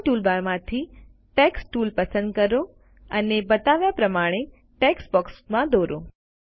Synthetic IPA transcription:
ʈulbaɾmãt̪ʰi | ʈɛksʈulpəsə̃nd̪kəɾo | ənebət̪aʋjapɾəmaɽ̃e | ʈeksbɔksmãd̪oɾo

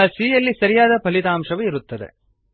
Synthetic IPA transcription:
ɐsiːjɐlːisɐɾijaːd̪ɐpɐlit̪aːmʂɐʋeiɾut̪ːɐd̪ḛ

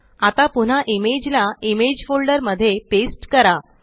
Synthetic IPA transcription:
at̪apuɳ̤aʔimed͡ʑlaimed͡ʑfolɖəɾməd̪ʱːjepesʈkəɾa

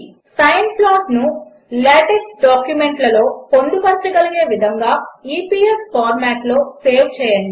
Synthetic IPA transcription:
sɐjɐnplaːʈnu | leːʈeksɖaːkjume̞ɳʈlɐlo̞ːpo̞nd̪upɐɾt͡ʃɐɡɐliɡe̞ːʋid̪ʱɐŋɡaːiːpiːespaːɾmaːʈlo̞ːseːwt͡ʃɛːjɐɳɖi

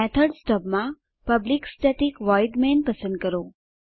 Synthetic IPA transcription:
ɛt̪ʰəɾɖsʈɔpmã | pəbliksʈɛʈikʋɔjɖmenpəsə̃nd̪̚kəɾo

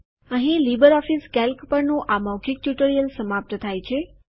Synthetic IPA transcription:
əɦĩlibəɾɔfiskɛlkpəɾnõʔamawkʰɪk̚t̪juʈəɾijəlsəmap̚t̪ət̪ʰajt͡ʃʰe

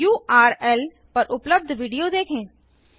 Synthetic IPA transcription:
juːʔaːɾɛːl | pɐɾʔʊpləb̚d̪ʱʋiːɖijod̪eːkʰẽː

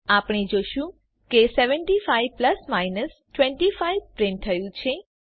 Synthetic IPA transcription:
apɳ̃ed͡ʒoʃũ | keseʋəɳʈifaiʋpləsmainəs | ʈʋɛ̃ɳʈifaiʋpɾɪ̃ɳʈ̚t̪ʰəjũt͡ʃʰe

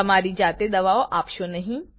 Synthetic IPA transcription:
ɐmaːɾid͡ʒaːt̪ed̪ɐʋaːoʔaːpʃonɐɦĩ

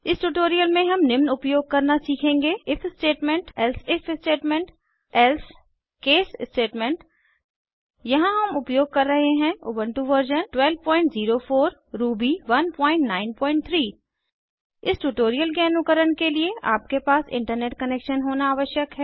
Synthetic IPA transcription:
ɪsʈuʈoːɾijəlmẽɦɐmnɪmnʊpjoːɡ̚kɐɾnasiːkʰẽːŋɡeːɪfsʈeːʈmẽɳʈɛlsɪfʰsʈeːʈmẽɳʈ | ɛls | keːssʈeːʈmẽɳʈ | jɐɦãɦɐmʊpjoːɡ̚kɐɾːɐɦeɦɛ̃ʊːbəɳʈuʋəɾd͡ʒənʈwɛlb̚pɔ̃ːɪ̃ɳʈziːɾofʰoːɾɾuːbiʋɐnpɔ̃ːɪ̃ɳʈnaːɪnpɔ̃ːɪ̃ɳʈ̚t̪ʰɾiː | ɪsʈuʈoːɾijəlkeɐnʊkəɾənkeliea̰ːp̚kepaːsɪ̰̃ɳʈəɾneːʈ̚kɐneːkʃənɦoːnaaːʋəʃjəkɦɛː

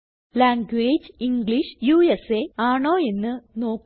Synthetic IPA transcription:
laːŋɡweːd͡ʑiŋɡliʂjuːeseaːɳoːe̞nːɨno̞ːk

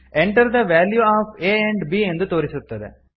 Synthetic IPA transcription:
ɛɳʈɐɾd̪ɐʋæːljuaːfeːɛ̃ɳɖbiːɛnd̪ɯt̪oːɾɪsut̪ːɐðɯ̰

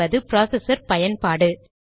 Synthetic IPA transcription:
ɐðɯpɪɾaːsɛsɐɾpɐjɐnpaːɽɯ

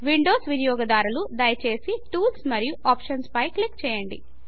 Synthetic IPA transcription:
ʋiɳɖoːsʋinjɔːɡɐd̪aːɾulud̪ɐjɐt͡ʃe̞ːsiʈuːlsmɐɾijuʔaːpʂɐnspɐjklikt͡ʃɛːjɐɳɖḭ

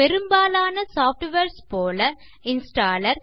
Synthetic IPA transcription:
pɛɾɯmbaːlaːnɐsaːfʈʋeːɾspoːlɐ | ɪnsʈaːlɐɾ

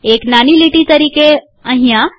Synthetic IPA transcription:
eknaniliʈit̪əɾiːke | ə̃ɦija

